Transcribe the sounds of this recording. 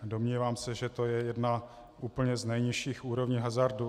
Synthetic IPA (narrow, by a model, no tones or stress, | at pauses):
do̞mɲiːvaːmsɛʒɛt̪o̞jɛjɛdna | ʔuːpl̩ɲɛznɛjɲɪʃiːxʔuːɾo̞vɲiːɦazaɾdu